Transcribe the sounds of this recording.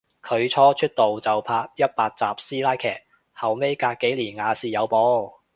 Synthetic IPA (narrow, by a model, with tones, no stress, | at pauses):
kʰɵ˨˧ɥt͡ʃʰɔː˥t͡ʃʰɵ˥t̚t̪o˨wt͡sɐ˨˩wpʰaː˧t̚jɐ˥t̚paː˧t̚t͡saː˨˩p̚siː˥laː˥jkʰɛ̰ː˨˩k̚ | hɐ˨wme˥jkaː˧k̚kːe˨˥jliː˨˩nŋaː˨˧siː˨jɐ˨˧wpɔː˨˥